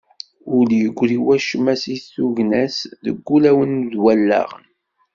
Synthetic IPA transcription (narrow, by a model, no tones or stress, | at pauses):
ʊljəɡʷːɾiwæʃmæsiθuʝnæsðə̰ɡʷːulæwənðwælːæ̰ʁən